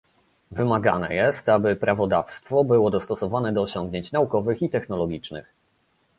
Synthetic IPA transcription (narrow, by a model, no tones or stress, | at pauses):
vɘmaɡa̰nɛ̰jɛst̪abɘpɾavɔd̪afst̪fɔbɘwɔd̪ɔst̪ɔsɔvanɛd̪ɔːɕɔŋɡɲeɲt͡ɕnaukɔvɘxit̪ɛxnɔlɔɡʲit͡ʂnɘ̰x